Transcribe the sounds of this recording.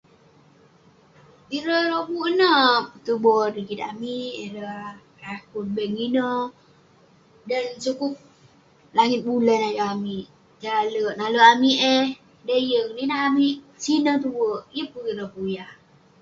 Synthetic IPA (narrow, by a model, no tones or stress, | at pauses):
iɾəɾobuʔənəp̚t̪ubodikit̪a̰miiɾə | akun̚bɛʔŋinə | dənsukup̚ | laŋɪt̪̚bulənajuamiʔ | d͡ʒləʔnaləʔamiʔeh | dəjəŋninaɦamiʔ | sinət̪̬uwəjəpuiɾəpujah